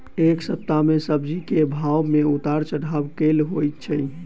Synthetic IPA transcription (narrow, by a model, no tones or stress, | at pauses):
eksəp̚t̪amesəbd͡ʒikebʱawmeut̪aɾt͡ʃəɽ̤abkelɦojt̪t͡ʃʰə